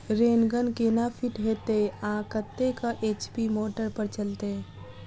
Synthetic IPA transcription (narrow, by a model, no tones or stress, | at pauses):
ɾeːnɡənkenapʰiʈɦet̪eãkət̪ːekaʔeːt͡ʃpimoːʈəɾpəɾt͡ʃəlt̪e